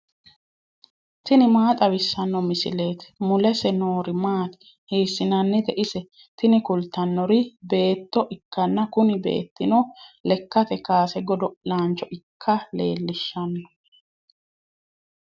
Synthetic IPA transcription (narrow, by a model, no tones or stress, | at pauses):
t̪ɪnɪmaːt̪ʼɐβɪsːɐnːɔmɪsɪleːt̪mʊlɛsɛnoːɾɪmaːt̪ɪ̥ | heːsːɪnɐnːɛt̪ɛʔɪsɛ | t̪ɪnɪkʊlt̪ːɐnːɔɾɪbe̞ːt̪ːɔʔɪkːɐnːɐkʊnɪbḛːt̪ːɪnɔlɛkːɐt̪ɛkaːsɛɡɔd̪ɔlaːnt͡ʃɔʔɪkʰːɐlḛːlːɪʃːɐnːɔ